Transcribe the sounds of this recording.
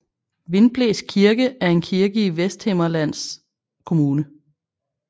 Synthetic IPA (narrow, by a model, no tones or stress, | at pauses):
ʋe̝nb̥leːskʰiɐɡ̥əʔæɐe̝nkʰiɐɡ̥əiʋesd̥hemɐlæn̰s | kʰo̝muːnə